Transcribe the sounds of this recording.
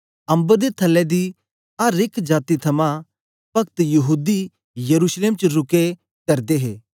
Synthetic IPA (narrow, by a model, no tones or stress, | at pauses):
ɐ̃mbəɾd̪et̪ʰɐlːɛd̪i | aɾɪkʰd͡ʒaːt̪it̪ʰɐmã | pɐkt̪jɐɦuːd̪i | jɐɾuːsleːmt͡ʃəɾʊke | kɐɾd̪eɦeː